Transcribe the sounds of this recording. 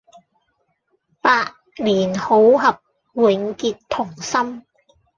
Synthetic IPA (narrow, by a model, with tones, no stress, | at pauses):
paː˧ʔ̚ | liː˨˩nho˨˥wɦɐ˨˩p̚ | wɪ˨˥ŋkiː˨tt̪ʰːʊ˨˩ŋsɐ˥m